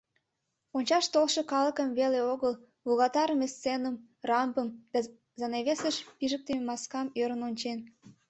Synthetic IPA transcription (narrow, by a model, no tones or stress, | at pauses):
onʲt͡ɕɑʃt̪olʃekɑlə̆kəmβeleoɣəl | βuɣɑt̪ɑɾəmest͡senəm | rɑmbəmd̪ɑ | zɑneβesəʃpiʒək̚t̪ememɑskɑmøɾənonʲt͡ɕen